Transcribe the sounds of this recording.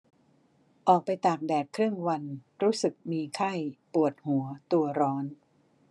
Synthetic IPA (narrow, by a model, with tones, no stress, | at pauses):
ʔɔː˨˩k̚pa˧jt̪aː˨˩k̚dɛː˨˩t̪̚kʰɾɯ˥˩əŋwa˧nɾuː˦˥sɯ˨˩k̚miː˧kʰa˥˩jpu˨˩ət̪̚hu˩˦ət̪u˧ɐɾɔː˦˥n